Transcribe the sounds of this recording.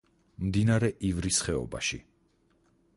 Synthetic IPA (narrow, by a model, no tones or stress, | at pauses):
md̪inaɾɛʔivɾisχɛɔ̰ba̰ʃḭ